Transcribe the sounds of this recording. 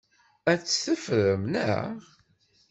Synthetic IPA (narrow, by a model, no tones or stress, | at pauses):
æt͡sːθəfɾəmnæ̰ʁ